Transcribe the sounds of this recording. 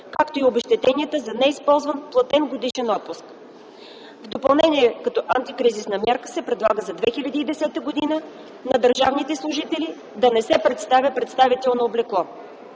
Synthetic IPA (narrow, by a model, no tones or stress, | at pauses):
kakt̪oiobɛʃt̪ɛt̪ɛniət̪əzɐnɛispɔlˠzvənplˠɐt̪ɛnɡod̪iʃɛnɔt̪̚pʊsk | vd̪opɐlˠnɛniɛkɐt̪ɔʔant̪ikɾizisnɐmʲjaɾkə̥sɛpɾɛd̪lˠaɡəzɐd̪vɛxilʲɐd̪iːd̪ɛsɛt̪əɡod̪inə | nɐd̪əɾʒavnit̪ɛslˠʊʒit̪ɛli | d̪ɐnɛsɛpɾɛt̪st̪avʲəpɾɛt̪st̪avit̪ɛlˠnoːblɛklˠɔ